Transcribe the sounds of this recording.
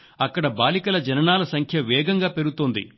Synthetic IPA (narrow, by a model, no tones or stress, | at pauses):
ɐkːɐɽɐbaːlikɐlɐd͡ʒɐnɐnaːlɐsɐŋkʰjɐʋɛːɡɐŋɡaːpeɾut̪oːnd̪ḭ